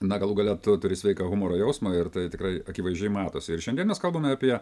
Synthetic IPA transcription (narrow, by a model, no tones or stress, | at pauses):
nɐɡɐlˠuɡɐlʲɛt̪ʊt̪ʊɾʲɪsʲʋʲɛɪkɐɣʊmoːɾoːjɛʊsmoːɪrt̪ɐɪt̪ʲɪkrɐɪɐkʲɪʋɐɪʒʲd͡ʒʲɛɪmɑːt̪oːsʲɪɪɾʃʲɛndʲiɛnmʲɛskɐlˠboːmʲɛɐpʲiɛ